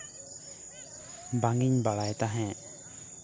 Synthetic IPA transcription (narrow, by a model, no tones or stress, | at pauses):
baŋɡiɲbaɭajt̪aɦɛ̃